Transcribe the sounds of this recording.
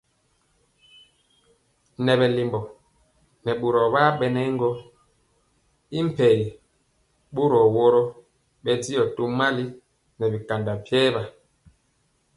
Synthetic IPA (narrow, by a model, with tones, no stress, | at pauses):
nɛ˨βɛ˨li˨mbɔ˨ | nɛ˨ɓu˨ɾɔ˨ba˦ɓɛ˨nɛ˦ŋ˦ɡɔ˦ | i˦m̩˨pɛ˨ | ɓu˦ɾɔ˨wɔ˦ɾɔ˦ | ɓɛ˦di˦ɔ˨to˦ma˦li˦ | nɛ˨bi˨ka˨nda˨pjɛː˦ba˨